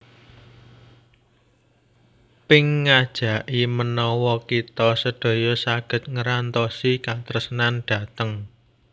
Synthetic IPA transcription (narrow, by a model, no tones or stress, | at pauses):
pɪŋːad̥ʒ̥ä̤ʔimənɔwɔkit̪ɔsəɖ̥o̤jɔsaɡ̥ə̤t̪̚ŋəɾant̪ɔsikat̪ɾəsnanɖ̥ä̤t̪əŋ